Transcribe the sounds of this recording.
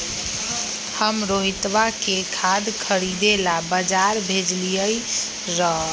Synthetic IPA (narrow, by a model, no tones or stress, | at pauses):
həmɾoɦit̪bakekʰad̪kʰəɾid̪elabəd͡ʒaɾbʱed͡ʒlijəj | ɾəɦ